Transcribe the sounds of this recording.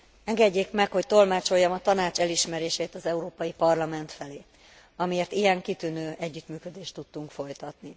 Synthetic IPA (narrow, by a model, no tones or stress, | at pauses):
ɛŋɡɛɟːeːkmɛkho̞c̚t̪o̞lmaːt͡ʃo̞jːɒmɒt̪ɒnaːt͡ʃɛliʃmɛɾeːʃeːt̪ɒzɛuɾoːpɒjipɒrlɒmɛn̪t̪fɛleː | ɒmieːrt̪ijɛŋkit̪ynøːʔɛɟːyt̪myːkø̞d̪eːʃt̪ːut̪ːuŋkfo̞jt̪ɒt̪ni